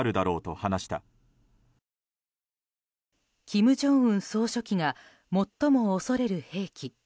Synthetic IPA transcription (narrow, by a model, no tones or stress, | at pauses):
ɾɯ̟d̪aɾo̞ːt̪o̞hanaɕi̥t̪a | kʲimɯ̟ʑõ̞ɰ̃ɯ̟̃ɰ̃so̞ːɕo̞kʲiŋa | mo̞t̪ːo̞mo̞ːso̞ɾe̞ɾɯ̟he̞ːkʲi